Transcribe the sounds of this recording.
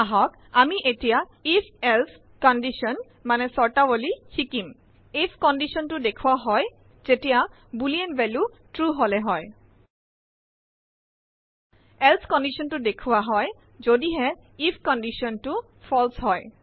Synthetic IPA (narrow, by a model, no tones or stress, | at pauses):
aɦɔk | amiʔetija | ipʰelsʰ | kɔnɖiʃɔn | manesɔɹʈabolikʰikim | ipʰkɔnɖiʃɔntudekʰuaɦɔj | zetija | bulienbɛlu | ʈɹuɦoleɦɔe | elsʰkɔnɖiʃɔntudekʰuwaɦɔj | zodiɦɛ | ipʰkɔnɖiʃɔntu | fʰɔlsɦɔj